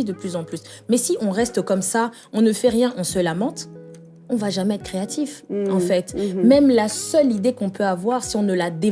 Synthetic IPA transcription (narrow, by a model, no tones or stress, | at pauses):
id̪əplyzɑ̃plys | mɛsiʔɔ̃ʁɛst̪əkɔmsa | ɔ̃nəfɛʁjɛ̃ʔɔ̃səlamɑ̃t̪ | ɔ̃vaʒamɛɛt̪kʰχeat̪ʰifɑ̃fɛt̪mɛmlasœlid̪ekɔ̃pøavwaʁsiɔ̃nəlad̪e